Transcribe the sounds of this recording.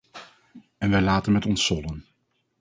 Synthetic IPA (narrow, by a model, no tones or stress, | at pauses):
ɛnʋɛjlaːtənmɛtɔnsːɔlən